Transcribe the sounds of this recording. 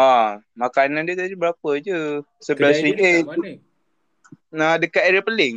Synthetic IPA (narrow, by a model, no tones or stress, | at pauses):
a | makanandiət̪adibəɾapəd͡ʒə | səbəlasiɡe | adəkat̪eɾapəlɪŋ